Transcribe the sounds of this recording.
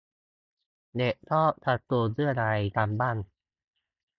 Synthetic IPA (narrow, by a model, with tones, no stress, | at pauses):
de˨˩ʔt̪ʰɔː˥˩t̪ʰa˨˩t̪̚ːu˧əsɯ˥˩əɾa˧jt̪aː˧mbaː˥˩n